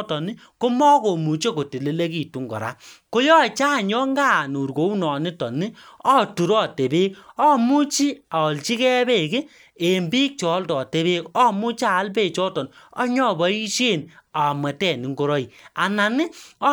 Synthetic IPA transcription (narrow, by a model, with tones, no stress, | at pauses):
tɔ˨nɪ˦ | ko˦mɔ˦ko˨mu˨t͡ʃe˦ko˨ti˨le˨le˦ki˦˨tu˦ŋɡɔ̰˨ɾa̰˦ko˦jɔ˦˨t͡ʃaː˦˨ɲɔ˦ŋɡa˦˨nu˨ɾɡo˨˦u˦nɔ˨nɪ˦tɔ˨nɪ˦ɔ˦˨tu˨ɾɔ˦˨te˨be˦k̚ɔ˦mu˦t͡ʃi˦a˨ɔ˨lt͡ʃi˦kɛ˦be˦˨kɪ˦ | e˨mbi˦k̚t͡ʃɔ˨˦ltɔ˨te˨˦beː˦kɔ˦mu˦t͡ʃaː˨˦lpe˦˨t͡ʃɔ˦tɔ˨nɔ˦ɲɔ˦˨bɔ˦i˦ʃe˦˨na˨mɛ˨tɛ˦˨ni˨ŋɡo˦ɾɔ˦i˨a˨na˨nɪ˦